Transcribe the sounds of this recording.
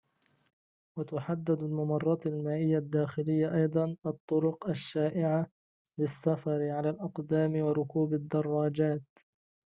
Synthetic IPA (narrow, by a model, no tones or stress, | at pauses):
wat̪ʊħad̪ːad̪almamɑrˤːɑːt̪almaːʔɪjːad̪ːaːxɪlɪjːaʔɑjd̪ˤɑnʔɑt̪ˤːʊɾʊqaʃːaːʔɪʕa | lɪsːafɑɾɪʕalaːlʔɑqd̪aːmɪwɑɾˤʊkuːbad̪ːɑrˤːɑːd͡ʒaːt̪